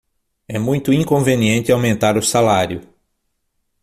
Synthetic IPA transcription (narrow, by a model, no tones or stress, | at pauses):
ɛmũj̃t̪ʊĩŋkõveniẽnt̪ɪawmẽnt̪aɾʊsalaɾjʊ